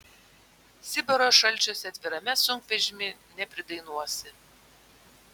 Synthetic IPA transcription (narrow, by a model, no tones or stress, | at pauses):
sʲɪbɐɾoːʃɐlʲˑt͡ʃʲoːsʲɛɐt̪ʲʋʲɪɾɐmʲɛsʊŋkʋʲɛʒʲɪmʲɪnʲɛpʲɾʲɪd̪ɐɪnuɔsʲɪ